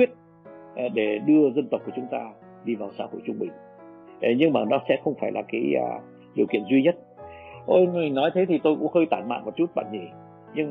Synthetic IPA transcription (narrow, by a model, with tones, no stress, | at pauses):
i˦˥ət̚ | ʔɗe˧˩ɗɨ˧əzə˧nt̪wk͡pku˧˩ə˨t͡ɕʊ˨˦ŋ͡mt̪aː˧ | ɗi˧vaː˨˩wsaː˧ho˧˩jt͡ɕʊ˧ŋ͡mɓï˨˩ŋ̟˨˦ | ɲɨ˧ŋmaː˨˩nɔ˨˦sɛ̰˧˥xə˧wŋ͡mfaː˧˩jlaː˨˩kaː˨˦j̰ | ɗi˨˩əwkḭ˧˨ənzwi˧ɲə˦˥t̚ʔo˧i˨˩ŋnɔ˨˦jt̪ʰə˨˦jt̪ʰi˨˩t̪o˧jkʊ̰˧˥ŋ͡mhəː˧jt̪aː˧˩nma̰ː˧˨vɔ˨˩t͡ɕu˦˥t̚ɓa̰ː˧˨nɲi˧˩ | ɲɨ˧ŋ˨